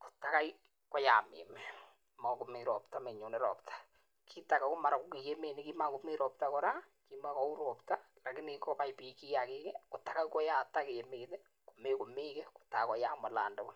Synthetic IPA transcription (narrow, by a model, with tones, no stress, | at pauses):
ko̥˨ta˨ka˦j | kɔ˦ja˨mḛ˨mɛ | ma˨ko˨me˨ɾɔ˨pta˦me˨ɲo˨ne˦ɾɔ̰˨ptʰḁ˦ | kʰi˦ta˨ka˨ko˦ma˨ɾa˨ko˦ke˨je˦me˨nɪ˨ki˦ma˦ko˨mi˦ɾɔ˨p̚ta˦kɔ˦ɾa˦ki˦ma˦kɔ˦u˦ɾɔ˨pta˦la˨kɪ˦nɪkɔ˦pa˦ipi˨ki˦ja˨keː˦kɛ˦ko˨ta˨˦ka˦kɔ˦ja˨ta˦ke˨je˨meː˨tɛ˦ | ko˨me˦ko˨meː˦kɛ˦ko̥˨ta˨kɔ˨ja˦ma˨la̰ː˨ndɔ˦bɔ˦